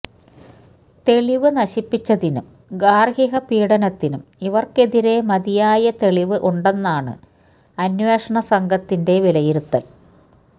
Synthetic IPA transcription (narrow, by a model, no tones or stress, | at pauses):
t̪e̞ɭiʋɨnɐɕipːit͡ɕːɐðinṵm | ɡaːrɦiɦɐpiːɽɐnɐt̪ːinumiʋɐrke̞ðiɾe̞mɐðijaːjɐt̪e̞ɭiʋɨʔuɳɖe̞nːaːɳɨ̰ | ɐnweːʂɐɳɐsɐŋɡʱɐt̪ːinde̞ʋilɐjiɾut̪ːɐl